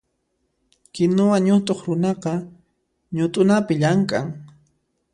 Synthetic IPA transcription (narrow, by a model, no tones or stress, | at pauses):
kɪnʊwaɲʊt̪ʼoχɾʊnɑqɑ | ɲʊt̪ʼʊnapɪʎaŋkʼaŋ